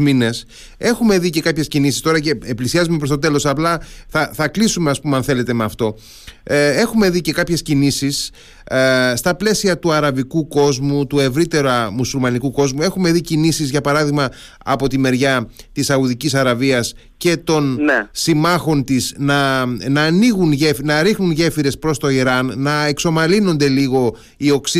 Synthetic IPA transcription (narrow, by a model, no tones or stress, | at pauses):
mine̞s | e̞xume̞ðice̞kɐpçescinisist̪o̞ɾɐce̞ːplisiɐzumepɾo̞st̪o̞t̪̬e̞lo̞sɐplɐθɐθɐklisume̞ɐspumeɐnθe̞le̞t̪e̞meɐft̪o̞ | e̞xume̞ðice̞kɐpçe̞scinisis | st̪ɐple̞siɐt̪uɐɾɐvikuko̞zmut̪ue̞vɾit̪e̞ɾɐmusulmɐnikuko̞zmue̞xume̞ðicinisizʝɐpɐɾɐðiɣmɐ | ɐpo̞t̪ime̞ɾʝɐt̪isɐuðicisɐɾɐviɐs | ce̞t̪o̞nsimɐxo̞nt̪isnɐnɐːniɣunʝefnɐɾixnunʝe̞fiɾe̞spɾo̞st̪o̞iɾɐnːɐe̞kso̞mɐlino̞nd̪e̞liɣo̞ | io̞ksi